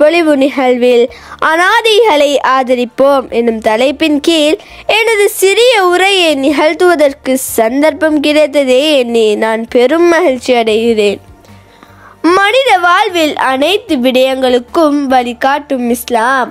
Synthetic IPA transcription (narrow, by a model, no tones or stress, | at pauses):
pɔɭɪʋɯnɪɣɐɭʋɪl | ʔɐnaːðɐɪɣɐɭɐɪʔaːðɐɾɪpːoːmʔɛnːɯmt̪ɐlɐɪpːɪnkiːl | ɛnɐðɯsɪɾɪjɐʊɾɐjɐɪnɪɣɐɻt̪ɯʋɐðɐrkɯsɐnd̪ɐɾpɐmkɪɾɐɪt̪ːɐðeːɛnːinaːnpɛɾɯmːɐɣɪɻt͡ʃːɪɐɽɐjʋɪɾeːn | mɐnɪðɐʋaːɻʋɪlɐnɐɪt̪ːɯʋɪɽɐjɐŋɡɐɭɯkːɯmʋɐɭɪkaːʈːɯmɪslaːm